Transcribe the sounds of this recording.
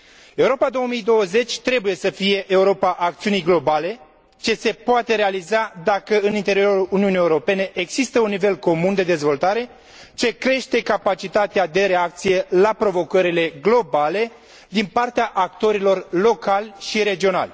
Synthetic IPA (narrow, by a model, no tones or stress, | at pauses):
e̞uɾo̞pad̪o̞wəmijd̪o̞wəze̞t͡ʃʲt̪ɾe̞buje̞səfije̞ʔeuɾo̞paʔak̚t̪siunijɡlo̞bale̞ | t͡ʃe̞se̞poat̪e̞ɾe̞alizad̪akəɨnint̪e̞ɾio̞ɾuluniunijeuɾo̞pe̞ne̞ʔeɡz̥ist̪əunːive̞lko̞mund̪e̞d̪e̞zvo̞lt̪aɾe̞ | t͡ʃe̞kɾe̞ʃt̪e̞kapat͡ʃit̪at̪ead̪e̞ɾe̞ak̚t̪sije̞lapɾo̞vo̞kəɾile̞ɡlo̞bale̞ | d̪inpart̪eaʔak̚t̪o̞ɾilo̞rlo̞kalʲʃiɾe̞d͡ʒio̞na̰lʲ